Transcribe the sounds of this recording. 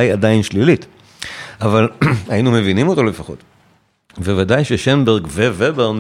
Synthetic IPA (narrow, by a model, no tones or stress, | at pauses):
ajadainʃlilit | avalhajinumevinimo̞t̪o̞lefaχo̞̰t̪ | bevadajʃeʃenbeʁɡvevebeʁn